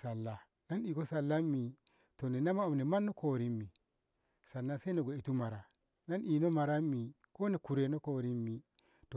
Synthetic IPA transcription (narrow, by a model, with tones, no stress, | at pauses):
sa˨lːa˨ | na˦ni˨ko˦sa˨lːa˦mːi˨ | to˨ne˨na˦ma˦o˨mne˨ma˦nːo˦ko˨ɾi˦mːi˨ | sa˨nːa˦se˦no˨ɡʷe˨i˨tu˦ma˨ɾa˨ | na˦nʔi˨no˦ma˨ɾa˦mːi˨ | ko˦ne˨ku˨ɾe˨no˦ko˨ɾi˦mːi˨ | to˨